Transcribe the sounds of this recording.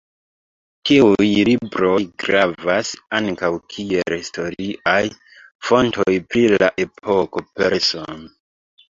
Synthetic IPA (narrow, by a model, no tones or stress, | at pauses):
tiujlibɾo̞jɡɾavasaŋkawkʰielhisto̞ɾiʔaj | fo̞ntojpɾilaʔe̞pʰo̞ko̞pe̞ɾson